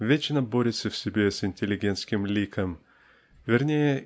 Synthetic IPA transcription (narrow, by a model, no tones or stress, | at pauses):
vʲet͡ɕnəboɾʲɪt̪səfsʲɪbʲesɪnʲtʲɪlʲɪɡʲent̪skʲɪmlʲikəm | vʲɪrnʲejə